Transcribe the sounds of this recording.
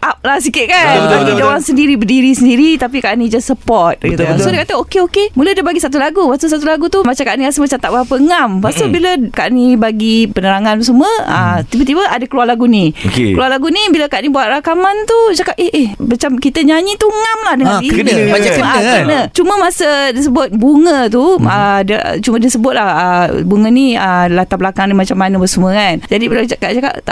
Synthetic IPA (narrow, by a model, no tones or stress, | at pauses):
ʔap̚lahs̬ikɪʔ̪̚kanad͡ʒaŋsəndiɾibədiɾisəndiɾit̪ap̬ikaʔnid͡ʒasəpɔrt̪̚it̪sodekat̪əokeokemulədəbaɡisat̪̬ulaɡupat̪us̬at̪̬ulaɡut̪umat͡ʃamkaʔnikasəmat͡ʃat̪aʔ̚baapəəŋampasəbiləkaʔnibaɡipənəɾaŋansuməət̪ibət̪ibəadakəlualaɡunĩokekəlualaɡunibilakaʔnibuat̪̚ɾakamant̪ut͡ʃakateʔɛhmat͡ʃamkit̪əɲaɲĩt̪uŋamlahdəŋaikaaaəəknət͡ʃuməmasədis̬əbʊt̪̚buŋə̃t̪uədə̰t͡ʃumə̃disəbʊt̪̚lahəbuŋəniəlat̪abəlakaŋnimat͡ʃamːanəbəsəməkand͡ʒadibilakat͡ʃaka̰ʔt̪a̰